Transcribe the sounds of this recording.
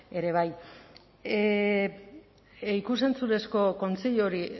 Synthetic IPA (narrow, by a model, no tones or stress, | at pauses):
e̞ɾe̞β̞aj | ikusent͡suɾe̞sko̞ko̞nt͡seʎoɾi